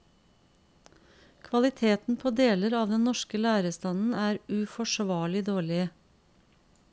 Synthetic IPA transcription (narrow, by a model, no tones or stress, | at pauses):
kʰʋɑlɪt̪ʰeːt̪n̩pʰoːd̪eːləɾɑːʋd̪ɛnnɔʃkəlæːɾəst̪ɑnn̩æːɾʉfɔʃʋɑːɭɪd̪oːɭɪə